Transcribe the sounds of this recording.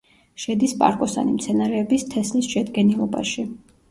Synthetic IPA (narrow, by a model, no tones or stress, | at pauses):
ʃɛd̪ispʼa̰ɾkʼɔsa̰nimt̪sʰɛnaɾɛːbist̪ʰɛslisʃɛd̪ɡɛnilˠɔba̰ʃi